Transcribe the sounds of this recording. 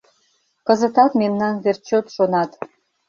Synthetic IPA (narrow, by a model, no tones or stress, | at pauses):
kəzət̪ɑt̪memnɑnβert͡ɕot̪ʃonɑt̪